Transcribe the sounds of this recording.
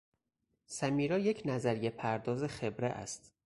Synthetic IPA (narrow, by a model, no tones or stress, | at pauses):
sæmiːɾɒːjecʰnæzæɾije̞pʰæɾd̪ɒːzexe̞bɾḛʔæ̰st̪